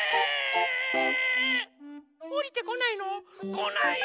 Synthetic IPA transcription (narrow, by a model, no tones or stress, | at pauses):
moɾʲit̪e̞konainokona